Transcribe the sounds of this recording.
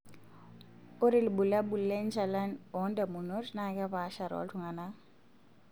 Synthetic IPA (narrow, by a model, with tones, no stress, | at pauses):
ʊ˦ɾi˨li˨bu˨la˦bu˨lɛ˦nt͡ʃʰa˨la˦nɔ˨˦nda˨mu˨no˦tna˨kɛ˦βa˨˦ʃa˨ɾɔ̰˨˦ltʰu˨ŋa˨na˦